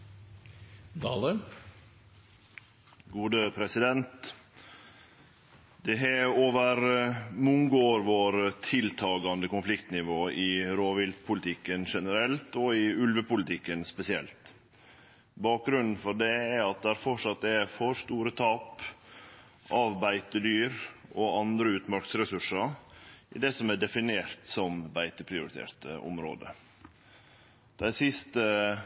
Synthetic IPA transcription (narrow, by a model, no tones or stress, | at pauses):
d̪ɑːlə | ɡuːd̪əpʰɾɛsɪd̪ɛnt̪ | d̪ɛɦɛoːʋəɾmʊŋɡoːɾʋoːɾt̪ʰɪlt̪ʰɑːɡɑnd̪əkʊnflɪkt̪nɪʋoːɪɾoːʋɪlt̪pʰʊlɪt̪ʰɪkːənʂɛnəɾɛlt̪ɔɪʉlʋəpʊlɪt̪ʰɪkːənspɛsɪɛlt̪ | bɑːk̚ɡɾʉnn̩fɔɖɛæɑt̪̚d̪ɛhæɾfɔʂɑt̪ːɛfɔʂt̪uːɾət̪ʰɑːp | ʔɑʋbæɪt̪əd̪yːɾʔɔɑnd̪ɾəʉːt̪mɑɾksɾɛsʉʂɑʔɪd̪ɛsɔmæɖɛfɪneːɾt̪sɔmbæɪt̪əpʰɾɪʊɾɪt̪ʰḛːɾt̪ə̰ʔʊ̰mɾo̰ːd̪ə̰ | d̪̥æɪsɪst̪ə